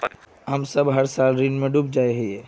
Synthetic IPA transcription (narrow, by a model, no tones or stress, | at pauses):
ɦɐmsɐbɦɐɾsaːlɾinmẽɖup̚d͡ʒaːeɦɛɛː